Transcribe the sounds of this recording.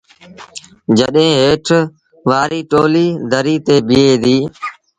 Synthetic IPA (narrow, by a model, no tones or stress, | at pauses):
d͡ʒəɗɦẽːɦeːʈʰ | ʋaːɾiːʈoːliːd̪ʱəɾiːt̪eːbɪːeːd̪iː